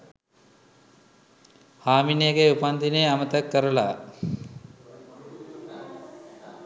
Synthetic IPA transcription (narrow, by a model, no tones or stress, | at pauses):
haːminjeɡeupand̪ineamət̪əkːəɾəla̰